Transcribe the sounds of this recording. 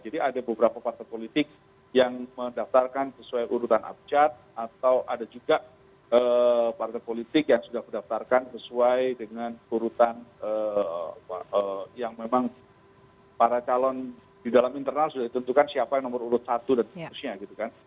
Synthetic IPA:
d͡ʒadiadabəbəɾapapart̪ajpolit̪ɪk̚ | jaŋmədaft̪arkansəsuajʔuɾut̪anʔa̰b̚t͡ʃat̪̚at̪awʔadad͡ʒuɡa | əpart̪ajpolit̪ɪkjaŋsudahmədaft̪arkansəsuajdəŋanuɾut̪anəapa̰əjaŋmemaŋ | paɾat͡ʃalɔn | didalamint̪ərnalsudadit̪ənt̪ukansiapajaŋnɔmʊruɾʊt̪̚sat̪udansɾusɲaɡit̪ukan

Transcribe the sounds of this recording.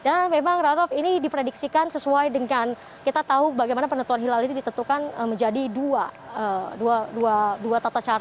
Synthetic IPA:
danmemaŋradɔlfinidipɾediksikansəsuajdəŋan | kit̪at̪aubaɡajmanapənənt̪uanɦilalinidit̪ənt̪ukanəməɲd͡ʒadidua | əduaduaduat̪at̪at͡ʃaɾa

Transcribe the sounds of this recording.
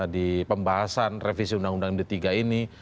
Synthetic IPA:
adipəmbaɦasanrefisiundaŋundaŋmdit̪iɡaini

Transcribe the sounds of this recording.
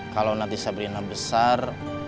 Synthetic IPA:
kalawnat̪isabɾinabəsar

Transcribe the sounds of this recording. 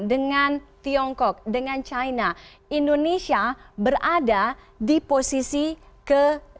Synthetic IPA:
dəŋant̪iɔŋkɔk̚dəŋant͡ʃajna | indonesiabərada | diposisi | kə

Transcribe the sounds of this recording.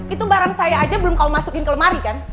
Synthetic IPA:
it̪ubaɾaŋsajaːd͡ʒabəlʊmkaumasukɪnkələmaɾikan

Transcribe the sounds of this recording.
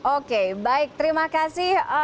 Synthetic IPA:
okebaɪk̚t̪əɾimakasɪh

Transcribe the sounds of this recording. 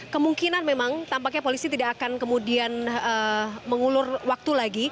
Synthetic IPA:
kəmuŋkinanmemaŋt̪ampak̬̚ɲapolisit̪idakakankəmudianəməŋulʊrwak̚t̪ulaɡi

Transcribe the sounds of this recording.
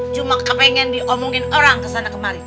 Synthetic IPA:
d͡ʒumakapɛŋɛndiʔɔmuŋɪnoɾaŋkəsanakəmaɾi

